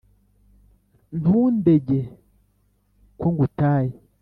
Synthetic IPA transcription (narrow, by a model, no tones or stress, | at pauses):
nundeɟe | kwoŋɡutaːje